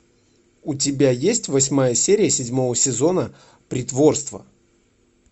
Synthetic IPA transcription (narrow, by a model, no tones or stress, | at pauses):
ʊtʲɪbʲajesʲtʲvɐsʲmajəsʲeɾʲɪjəsʲɪdʲmo̞vəsʲɪzo̞nə | pɾʲɪt̪vo̞rst̪və̰